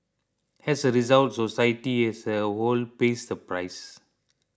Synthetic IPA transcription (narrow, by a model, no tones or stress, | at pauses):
hɛsəɾizaltsosajtiɛsəholpesəpɹajs